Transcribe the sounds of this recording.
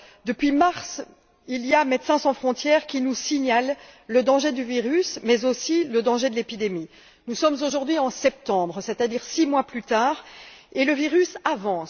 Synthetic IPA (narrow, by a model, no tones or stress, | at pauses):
d̪əpɥimaʁs | ilijamet̪sɛ̃sɑ̃fχɔ̃t̪jɛːʁkʲinusiɲalːəd̪ɑ̃ʒed̪yviʁysmɛzosiləd̪ɑ̃ʒed̪əlepid̪emi | nusɔmzoʒuʁd̪ɥiɑ̃sɛp̚t̪ɑ̃bʁsɛt̪ad̪iʁsimwaplyt̪aːʁeləviʁysavɑ̃